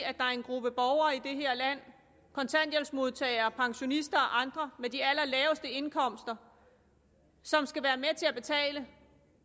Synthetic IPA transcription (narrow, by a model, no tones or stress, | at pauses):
æd̥ɑ̈æɐe̝nɡ̥ʁub̥əb̥ɒʊɐːid̥e̝ɦeɐ̰læn̰ | kʰɒ̽nt͡sʰæn̰d̥jelsmo̝ð̞ˠt͡sʰɛ̰ːɪɐːpʰɑ̈ŋɕo̝nisd̥ɐɒ̽ʔɑ̈nd̥ʁɐmed̥iælɐlɛːʊsd̥əe̝nkʰɒ̽m̰sd̥ɐ | sɒ̽msɡ̥æʋæːɐmet͡sʰe̝æb̥e̝t͡sʰɛ̰ːlə